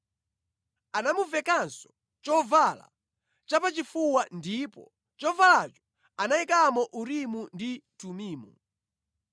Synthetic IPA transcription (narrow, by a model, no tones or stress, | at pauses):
anamuvɛkansɔ̥ | t͡ʃɔvala̰ | t͡ʃapat͡ʃifuwandipɔ | t͡ʃɔvalat͡ʃɔ̥ | anaikamɔʔuɾimunditumiːmu